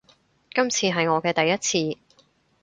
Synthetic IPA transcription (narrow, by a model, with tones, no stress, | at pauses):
kɐ˥mt͡sʰiː˧ɦɐ˨jŋɔː˨˧kɛː˧t̪ɐ˨jːɐ˥t̚t͡sʰiː˧